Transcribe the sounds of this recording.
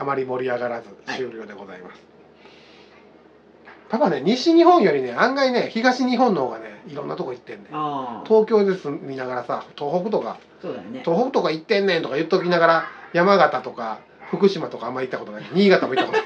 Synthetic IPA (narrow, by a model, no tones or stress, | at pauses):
amaɾʲimo̞ɾʲiaɡaɾazɨɕɨːɾʲo̞ːd̪e̞ɡo̞za̰ḭma̰sɨ̥ | t̪abane̞ɲ̟iɕiɲ̟ihõ̞ɰ̃jo̞ɾʲine̞ãŋɡaine̞çiɡaɕiɲ̟iɦõ̞nːohoːɡane̞iɾõnːat̪okoit̪ːẽ̞nd̪et̪ʰo̞ːkʲo̞ːd̪esɨmʲinaɡaɾasat̪o̞ːɦo̞kɯ̟t̪o̞ka̰ | od̪o̞ːɦokɯ̟t̪o̞kait̪ːẽ̞nːent̪o̞kajɯ̟t̪ːokʲinaɡaɾajamaɡat̪at̪o̞ka | ɸɯ̟kɯ̟ɕimat̪o̞kaːmːaɾʲit̪ːakot̪onakɲ̟iːɡat̪amo̞it̪ːakot̪o